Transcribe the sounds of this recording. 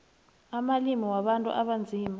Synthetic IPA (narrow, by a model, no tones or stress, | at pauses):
amalimiwaɓantʼṵʔaɓand͡zʱiːma